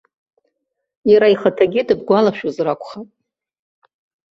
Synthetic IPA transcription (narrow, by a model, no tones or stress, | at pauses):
jaɾaiχatʰaɡʲɪdɨb̚ɡʷalaʃazrakʷʰʼχatʼ